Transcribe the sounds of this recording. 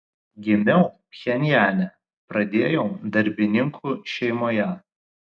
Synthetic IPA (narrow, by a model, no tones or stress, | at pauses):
ɡʲɪmʲɛʊ | xʲɛnʲjæːlʲɛ | pɾɐd̪ʲeːjoʊd̪ɐɾʲbʲɪnʲɪŋkʰuːʃʲɛɪmoːjɛ